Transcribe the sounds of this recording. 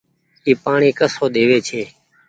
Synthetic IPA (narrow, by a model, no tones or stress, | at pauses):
iːpaːɳiːkəsoːɗ̪eːʋeːt͡ʃʰeː